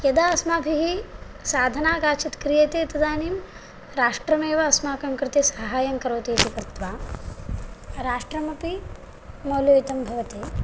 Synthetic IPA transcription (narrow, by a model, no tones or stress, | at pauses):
jɐd̪aːɐsmaːbʱiɦi | saːd̪ʱɐnaːkaːt͡ʃit̪kɾijɐt̪eːt̪ɐd̪aːniːm | ɾaːʂʈɾɐmeːʋɐɐsmaːkɐŋkɾɪt̪esɐɦaːjɐŋkɐɾʋɐt̪eːt̪ikɾɪt̪ʋaː | ɾaːʂʈɾɐmɐpi | mɐwljoːit̪ɐmbʱɐʋɐt̪eː